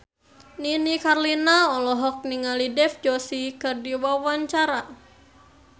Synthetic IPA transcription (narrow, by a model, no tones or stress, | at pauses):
ninikarlinaɔlɔɦɔk̚niŋalidɛfd͡ʒɔsikɨrdiwawaɲt͡ʃaɾa